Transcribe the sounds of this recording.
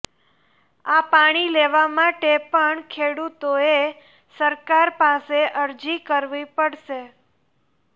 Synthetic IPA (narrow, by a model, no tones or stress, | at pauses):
apaɽ̃ileʋamaʈepəɳkʰeɽut̪oe | səɾkaɾpaseʔəɾd͡ʒikəɾʋipəɽʃe